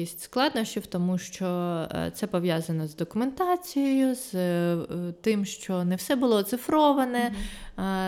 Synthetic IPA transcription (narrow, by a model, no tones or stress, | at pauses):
isʲtʲsklˠɑd̪nɔsʲt͡ʃʲʊwt̪ɔmuʃt͡ʃɔt̪sɛpɔʋjazɐnɔzd̪ɔkʊment̪ɑt͡sʲijejʊz̥ | t̪ɪmʃt͡ʃɔnɛwsɛbʊlˠɔt̪sɪfɾɔʋɐnɛ